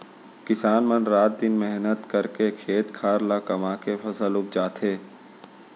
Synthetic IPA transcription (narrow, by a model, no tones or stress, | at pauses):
kɪsaːnmənɾaːt̪̚d̪ɪnmɛɦnət̪kɐɾkekʰeːt̪kʰaːɾlakɐmaːkefʰɐsəlʊk̚d͡ʒaːt̪ʰeː